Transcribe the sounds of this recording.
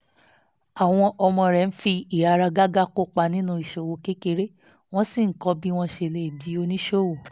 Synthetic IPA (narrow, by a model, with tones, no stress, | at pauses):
a˨w̃ɔ̃˧ʔɔ˧mɔ̃˧ɾɛ˨n̩˦fi˧i˨a˨ɾa˧ɡa˦ɡa˦ko˦k͡pa˧nĩ˦nũ˧˦i˨ʃo˨wo˧ke˦ke˧ɾe˦ | w̃ɔ̃˦si˦˨ŋ̩˨kɔ˧˦bi˦w̃ɔ̃˧ʃe˧˨le˧i˨di˨˦o˧nĩ˦ʃo˦˨wo˨